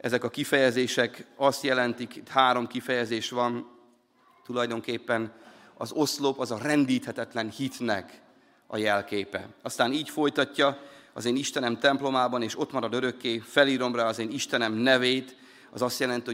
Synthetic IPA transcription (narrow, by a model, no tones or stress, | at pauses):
ɛzɛkɒkifɛjɛzeːʃɛkɒst̪jɛlɛnt̪ikit̪haːɾo̞mkifɛjɛzeːʃʋɒn | t̪ulɒjd̪o̞ŋkeːpːɛn | ɒ̰zo̞slopɒzɒrɛnd̪iːt̪hɛt̪ɛt̪lɛnhit̪nɛk | ɒ̰jɛlkeːpɛ̰ɒst̪aːniːcfo̞jt̪ɒcːɒɒzeːniʃt̪ɛnɛmt̪ɛmplo̞maːbɒneːʃo̞t̪mɒɾɒd̪øɾø̞kːeːfɛliːɾo̞mraːɒzeːniʃt̪ɛnɛmnɛveːt̪ | ɒ̰zɒst̪jɛlɛnt̪io